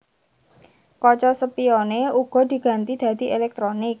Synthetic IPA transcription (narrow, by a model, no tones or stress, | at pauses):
kɔt͡ʃɔsəpioneuɡ̥ɔ̤d̪̥i̤ɡ̥a̤nt̪id̪̥a̤d̪̥i̤elɛk̚t̪ɾonɪk̚